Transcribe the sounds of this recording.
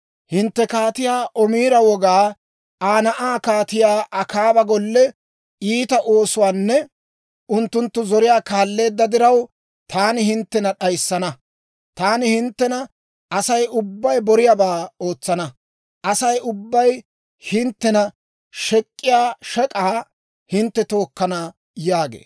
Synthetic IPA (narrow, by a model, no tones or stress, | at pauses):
hɪnt̪ːɛkaːt̪ɪjaːʔɔmiːɾɐwɔɡaː | aːnɐʔaːkaːt̪ɪjaːʔɐkaːbɐɡɔlːɛ | iːt̪ɐʔo̞ːsʊwaːnːɛ | ʊnt̪ːʊnt̪ːʊzɔɾɪjaːkaːlːe̞ːd̪ːɐd̪ɪɾɐw | t̪ʰaːnɪhɪnt̪ːɛnɐɗɐjsːɐnɐ | t̪aːnɪhɪnt̪ːɛnɐ | ɐsɐjʊbːɐjbɔɾɪjabaːo̞ːt͡sːɐnɐ | ʔɐsɐjʊbːɐj | hɪnt̪ːɛnɐ | ʃɛkʼːɪjaːʃɛkʼaː | hɪnt̪ːɛt̪o̞ːkːɐna | jaːɡḛː